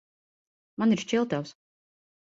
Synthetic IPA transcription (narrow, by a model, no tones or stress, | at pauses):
maniɾʃt͡ʃilˠt̪aws